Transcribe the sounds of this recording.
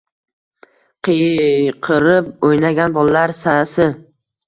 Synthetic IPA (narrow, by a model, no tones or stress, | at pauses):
qʰɨjqʰɨɾɪp̚ojnaɡʲanbɒlalaɾsasɪ